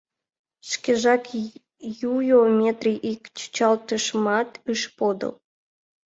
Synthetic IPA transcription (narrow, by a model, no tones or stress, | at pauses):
ʃkeʒɑk | jujomʲet̪riʔikt͡ɕə̥t͡ɕɑlt̪əʃmɑt̪ɨʃpod̪ə̰l